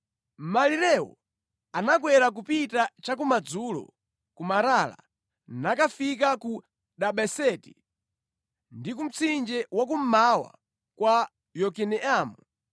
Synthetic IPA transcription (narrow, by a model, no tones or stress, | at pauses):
maliɾɛwɔ̰ | anak̬wɛɾak̬upitat͡ʃak̬umad͡zulɔ̰ | kumaɾala̰ | nakafikaku | ɗaɓɛsɛti̥ | ndikum̩t͡sʰind͡ʒɛwak̬um̩mawa̰ | kwa | jɔkɛnɛʔaːmu